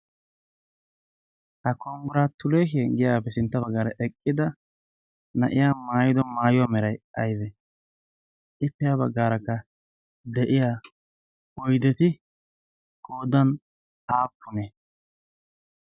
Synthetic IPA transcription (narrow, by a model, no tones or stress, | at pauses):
hɐkɔŋɡʊɾat̪ʊleːk̬ɛɡɪjaːpːɛsɪnt̪ːɐbɐɡːaːɾɐʔɛkʼːɪd̪ɐ | nɐʔɪjaːmaːjɪd̪ɔmaːjʊwaːmɛɾɐjɐ̰jbɛ | ʔɪpːɛjabɐɡːaːɾɐkːɐ | d̪ɛʔɪjaː | ɔjd̪ɛt̪ɪ | koːd̪ɐn | aːpʰːʊnɛ